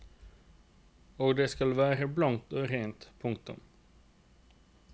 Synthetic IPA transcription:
oːɡd̪eːskɑlʋæːɾəblɑnt̪oːɾeːnt̪pʰʊŋk̚t̪ʊ̰m

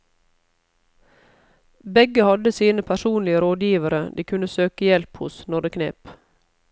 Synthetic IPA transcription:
bɛɡəhɑd̪əsiːnəpʰæʃuːnlɪəɾoːd̪jiːʋəɾəd̪iːkʰʉnəsøːkəjɛlphʊ̰snɔɖəkʰnḛːp

